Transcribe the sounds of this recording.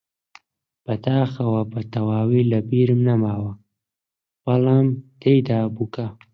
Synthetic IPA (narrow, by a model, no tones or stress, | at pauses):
bat̪aːxawapat̪awaːwilabiɾmnamawa | walamt̪ejd̪aːbuka